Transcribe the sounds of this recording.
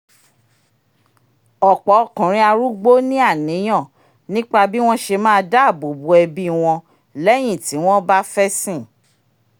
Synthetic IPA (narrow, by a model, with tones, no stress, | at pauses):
ɔ˨k͡pɔ˨˦˨kũ˨ɾ̃ĩ˧a˧ɾu˦ɡ͡bo˦nĩ˦a˦˨nĩ˨˦j̃ɔ̃˦˨ | nĩ˦k͡pa˦bi˦w̃ɔ̃˦ʃe˧mãː˦˧da˦˨bo˨bu˨˦ɛ˧bi˦w̃ɔ̃˧ | lɛ˦j̃ĩ˦˨ti˨˦w̃ɔ̃˦ba˦fɛ˦sĩ˦˨